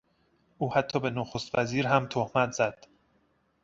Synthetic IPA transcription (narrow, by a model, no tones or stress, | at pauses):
ʔuːhæt̪ʰːɒːbe̞noxost̪væziːɾɦæmt̪ʰohmæt̪ʰzæd̪̥